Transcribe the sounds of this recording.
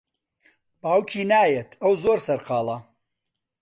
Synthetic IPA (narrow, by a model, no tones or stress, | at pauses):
b̥aːwkʰiːnaːjet̪ʰɐwzoːɾsɐɾqɑːlˠɐ